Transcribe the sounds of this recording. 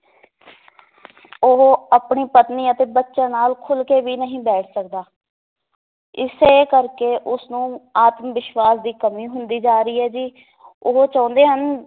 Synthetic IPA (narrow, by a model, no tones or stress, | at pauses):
oɦapɳiːpət̪niːət̪eːbətːʃãːnaːlkʰʊlkeːʋiːnəɦĩːbɛːʈʰsək̚d̪aː | ɪseːkəɾkeːʔʊsnũːaːt̪mʋɪʃʋaːsd̪iːkəmĩːɦʊnd̪iːd͡ʒaːɾəiːɦɛːd͡ʒiː | ʊɦoːt͡ʃãːnd̪eːɦən